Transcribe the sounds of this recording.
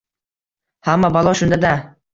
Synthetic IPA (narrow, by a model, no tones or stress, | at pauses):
hamːabalˠɒʃʊnd̪ad̪a